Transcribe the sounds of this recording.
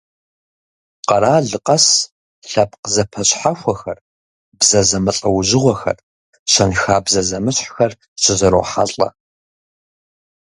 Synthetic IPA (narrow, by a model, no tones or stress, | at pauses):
qɐɾaːɮɨqʼɐs | ɬɐp̚ʰqəzɐpʰɐɕʼħaxʷɐxɐr | bzɐzɐmɨɬʼɐwʊʑɪʁʷɔxɐ̰r | ɕɐnxaːbzɐzɐmɨɕħxɐr | ɕɪzɐɾo̰ːħaɬʼɐ̰